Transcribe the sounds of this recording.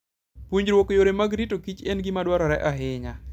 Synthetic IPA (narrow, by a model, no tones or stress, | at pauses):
pwuɲɾwokojoɾemaɡɾitokit͡ʃenɡimadwaɾɔɾɛʔaɦɪɲa